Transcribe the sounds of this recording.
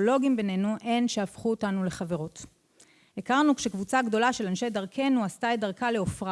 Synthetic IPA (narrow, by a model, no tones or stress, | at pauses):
olo̞ɡimbe̞ne̞nuʔe̞nʃeafχuotanule̞χave̞ʁo̞t | ekaʁnukʃe̞kvut͡saɡdo̞laʃe̞lanʃe̞jdaʁkʰe̞nuastaedaʁkale̞ofʁa